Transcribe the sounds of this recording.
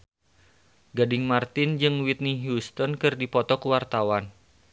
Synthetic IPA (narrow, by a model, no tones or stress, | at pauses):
ɡadɪŋmart̪ɪnd͡ʒɨŋwit̪̚niɦjust̪ɔnkɨrdipɔt̪ɔkuwart̪awan